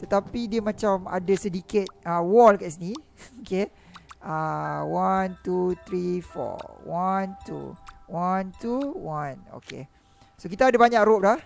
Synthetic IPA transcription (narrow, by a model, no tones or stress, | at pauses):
t̪ət̪apidiəmãt͡ʃama̰dasədikɪt̪̚əwɔlkaʔsənioke | awant̪ut̪ɾifɔ̰want̪ṵwant̪uwãno̰kḛ | sokit̪aːdabaɲakɾop̚lah